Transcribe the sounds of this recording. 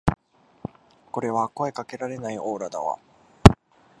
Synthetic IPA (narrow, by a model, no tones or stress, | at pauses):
ko̞ɾe̞β̞ako̞e̞kake̞ɾaɾe̞naio̞ːɾad̪a̰βa̰